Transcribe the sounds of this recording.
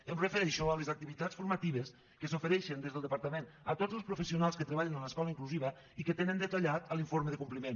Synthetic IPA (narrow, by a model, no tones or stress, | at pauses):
əmrəfəɾɛʃɔəlezak̚t̪iβit̪at͡sfuɾmat̪iβ̞əs | kəsofəɾɛʃənd̪ezðəlˠəpaɾt̪əmenət̪od͡zəlˠspɾufəsiunalˠskət̪ɾəβaʎənələskɔləiŋkluziβə | ikət̪enənd̪ət̪aʎat̪əliɱfoɾməðəkumplimẽn